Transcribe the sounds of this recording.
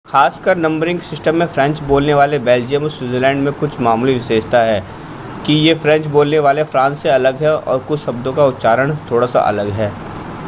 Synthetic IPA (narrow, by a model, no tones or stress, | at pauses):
xaːskəɾnɐ̃mbəɾɪ̃ŋɡsɪsʈəmːẽfɾɛ̃ɲt͡ʃboːlneʋaːlebɛːld͡ʒiəmːɾswuːzelɛ̃ːɳɖmẽkʊt͡ʃʰmaːmuliʋɪʃeːd͡ʒt̪aɦɛː | kijefɾɛ̃ɲt͡ʃboːlneʋaːlefɾãːnsːeɐləɡɦɛɔ̰ːɾkʊt͡ʃʰʃɐbd̪õkaʊt̪ːʃaːɾəɽ̃t̪ʰoːɽasa̰ʔɐ̰ləɡɦɛː